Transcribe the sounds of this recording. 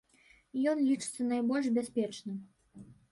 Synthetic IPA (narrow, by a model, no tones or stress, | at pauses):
jɔnlʲit͡ʂɨ̥t̪sɐnajbɔlʲʂbʲasʲpʲɛt͡ʂnɨm